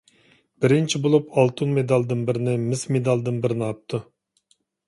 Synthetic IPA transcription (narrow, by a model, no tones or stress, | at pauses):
b̥ɪɾɪnt͡ʃʰibolˠupʰɑlˠt̪ʰunmed̪ɑlˠd̪ɨnbɪɾɪnɪmɪsmed̪ɑlˠd̪ɨnbɪɾɪnɑp̚t̪ʰu